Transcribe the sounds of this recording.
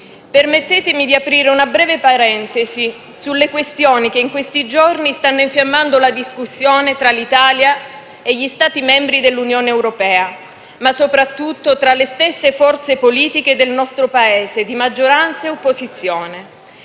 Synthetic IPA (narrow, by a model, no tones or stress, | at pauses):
permet̪ːɛːt̪emid̪iapɾiːɾeunabɾɛːvepaɾɛnt̪ezi | sulːekwest̪joːnikeiŋkwest̪id͡ʒornist̪anːoiɱfjamːand̪olad̪iskusːjoːnet̪ɾalit̪aːlja | eʎist̪aːt̪imɛmbɾid̪elːunjoːneːwɾopɛːa | masːopɾat̪ːut̪ːot̪ɾalːest̪esːefɔrt̪sepoliːt̪iked̪elnɔst̪ɾopaeːsed̪imad͡ʒːoɾant̪saeopːozit̪sːjoːne